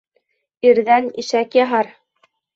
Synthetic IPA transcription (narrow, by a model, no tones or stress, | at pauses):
iɾðæniʃækjɑɦɑɾ